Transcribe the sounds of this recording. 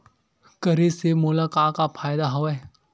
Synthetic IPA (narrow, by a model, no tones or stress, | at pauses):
kəɾesemoːlakaːkapʰaːjd̪aɦoʋɛ